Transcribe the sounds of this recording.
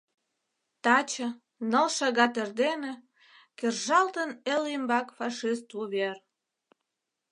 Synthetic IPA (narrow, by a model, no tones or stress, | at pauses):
t̪ɑt͡ɕə̆ | nəlʃɑɣɑt̪erd̪enĕ | kerʒɑlt̪ənelimbɑkfɑʃist̪uβer